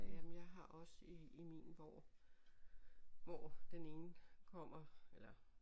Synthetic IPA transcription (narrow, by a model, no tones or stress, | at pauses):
jæmn̩jɑ̈ɪɦɑ̈ʔɒ̽səiimḭnʋɒ̰ː | ʋɒːd̥ene̝ːn̩kʰɒ̽m̰ɐelɐ